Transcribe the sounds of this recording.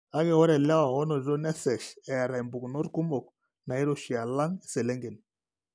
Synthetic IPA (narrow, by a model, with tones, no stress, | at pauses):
a˦ɡɛ˨wɔ˦ɾɛ˨la˦wa˨wɔ˦nɔ˨zɔ˦nɛ˦sɛ˨ʃɛ˨a˨ɾa˨i˨mbu˨knɔ˦ɾku˦mɔ˨k̚ | na˨i˦ɾo˨ʃi˨a˨la˦ŋi˨sɛ˨lɛ˦ŋɡe˨n